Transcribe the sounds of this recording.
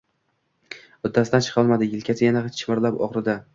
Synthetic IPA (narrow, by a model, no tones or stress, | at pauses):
ʊd̪ːasɪd̪ant͡ʃʰɨ̥qʰɒlˠmad̪ɪɪlʲkʲʰasʰɪjanaχt͡ʃʰmɪɾlapɒ̰ʁɾɪd̪a